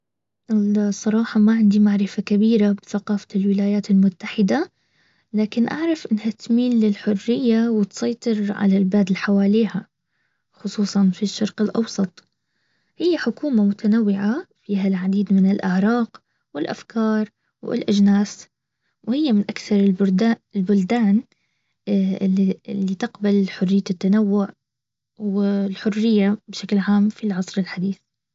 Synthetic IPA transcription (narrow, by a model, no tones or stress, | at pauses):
ʔɪsˤːɑɾˤɑːħɑmaʕɪnd̪imaʕɾɪfakabiːɾabɪθaqɑːfḁlwɪlaːjaːt̪ɪlmʊt̪ːaħɪd̪a | laːkɪnʔa̰ʕɾˤɑfʔɪnːhat̪miːnːɪlħʊrːɪjːawɪt̪sˤɑjt̪ˤɨɾʕa̰lalbaːd̪ɪlħawaːliːha | xʊsˤuːsˤɑnfiʃːɑɾˤqɪlʔɑ̰wsˤɑt̪ˤ | hɪjːaħʊkuːmamʊt̪ʰanawːɪʕafiːɦalʕad̪iːd̪mɪnɪlʔɪʕɾˤɑːq | wɪlʔa̰fkɑːɾˤ | wɪ̰lʔad͡ʒnaːs | whɪjːamɪnʔakθɑɾˤɪbd̪aɪlbʊld̪aːn | iɪlːit̪ɪqbalħʊrːɪjːat̪ːanawːʊʕ | wɪlħʊrːɪjːabʃaklʕaːmfilʕɑsˤɾɪlħad̪iːθ